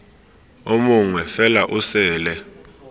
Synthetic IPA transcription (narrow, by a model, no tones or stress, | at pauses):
omuŋwɛfɛlaʔʊsɛːlɛ